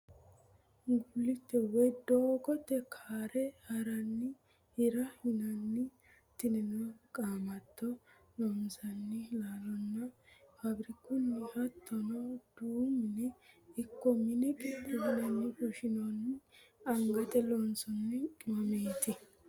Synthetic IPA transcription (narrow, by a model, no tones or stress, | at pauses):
ɡʊlːɪt̪ːɛwɔjd̪oːkɔt̪ːɛkʰaːɾɛhɐɾɐnːɪ | hɪɾɐhɪnɐnːɪ | t̪ɪnɛnɐkʼaːmɐt̪ːɔ | nɔmsɐnːɪlaːlɔnːɐhɐbɾɪkːʊnːɪhɐt̪ːɔnɐd̪̥uːmɪnɛɪkːɔmɪnɛkʼɪtːɛhɪnɐnːɪkʊʃɪnonːɪɐŋɡɐt̪ɛlɔnsɔnːɛkʼɪmɐmeːt̪ɪ